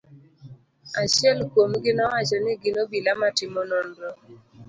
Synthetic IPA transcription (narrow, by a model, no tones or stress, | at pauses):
aʃjɛlkwomɡɪnɔwat͡ʃɔnɪɡɪnobilamatɪmɔnɔndɔ